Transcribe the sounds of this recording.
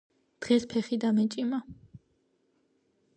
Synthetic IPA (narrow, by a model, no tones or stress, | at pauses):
d̪̥ʁɛspʰɛχid̪amɛt͡ʃʼima